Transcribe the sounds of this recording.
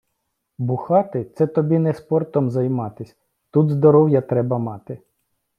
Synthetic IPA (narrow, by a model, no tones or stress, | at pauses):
bʊxɑt̪ɪt̪sɛt̪ɔbʲinɛspɔrt̪ɔmzɐjmɑt̪ɪsʲ | t̪ud̪zd̪ɔɾɔwjɐt̪ɾɛbɐmɑt̪ɪ